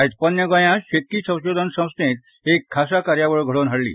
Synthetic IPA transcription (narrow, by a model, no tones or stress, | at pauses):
t̪pənːjəɡə̃jãɕet̪̚kiːsə̃w̃ɕod̪ʱənsə̃w̃snet̪ | ekʰːasakaɾjaʋəɭɡʱəɭonɦəɽlḭː